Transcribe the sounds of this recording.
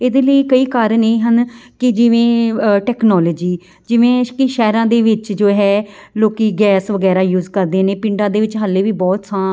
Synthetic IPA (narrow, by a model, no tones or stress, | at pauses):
eːd̪eːləiːkəiːkaːɾəneːɦənkɪd͡ʒɪʋẽːʈɛːknɔːləːd͡ʒiː | d͡ʒɪʋẽːkɪʃɛːɾãːd̪eːʋɪt͡ʃd͡ʒoːɦɛːloːkiːɡɛːsʋəɡɛːɾaːjuːzkəɾd̪eːneːpɪɳɖãːd̪eːʋɪt͡ʃɦəlːeːʋiːbɔːt̪sãː